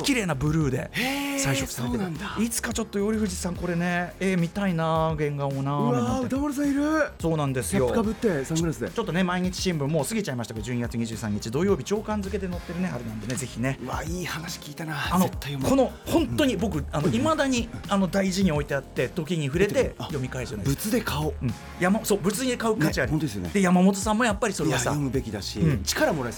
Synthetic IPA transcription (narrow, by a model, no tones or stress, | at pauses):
kʲiɾe̞ːnabɯ̟ɾɯ̟ːd̪e̞̰saiɕokːsaeːeãnd̪ait͡sɨ̥kat͡ɕo̞t̪ːojo̞ɾʲiɸɯ̟ʑisãŋko̞ɾe̞ne̞eːmʲit̪ainaɡẽ̞ŋɡaonaaɯt̪amoɾis̬ãiɾɯ̟so̞ːnãnd̪e̞sɨjo̞kabɯt̪ːesãɡɯɾasɨd̪ḛt͡ɕo̞t̪ːo̞ne̞maiɲ̟it͡ɕi̥ɕĩmbɯ̟̃mːo̞ːsɨɡʲit͡ɕaimaɕi̥t̪akad͡ʑɨːɲ̟iɡat͡sɨɲ̟iʑɨːsã̰ɲ̟ːit͡ɕid̪o̞jo̞ːbʲit͡ɕo̞ːkãnzɨk̬e̞d̪eno̞t̪ːe̞ɾɯne̞aɾenãnd̪e̞ne̞ze̞çʲine̞βaiːhanaɕi̥kʲiːt̪anaanoet̪ːajomkʰo̞no̞hõ̞nt̪ːo̞ɲ̟ibo̞k̬ɯ̟ano̞imad̪aɲ̟iano̞d̪aiʑiɲ̟io̞it̪e̞at̪ːe̞t̪o̞kʲiɲ̟iɸɯ̟ɾe̞t̪ejo̞mʲikaeɾɯzanad̪bsɯ̥t͡sɨd̪ekʰaɯ̟̃ɴ | jamaso̞ːbɯ̟t͡sɨɲiekaɯkat͡ɕiɾaõt̪od̪esjonḛd̪e̞jamamo̞t̪̬o̞sãmːo̞japːaɾʲisoɾsaomɯ̟be̞kʲid̪aɕḭɯ̟̃t͡ɕi̥kaɾamo̞ɾa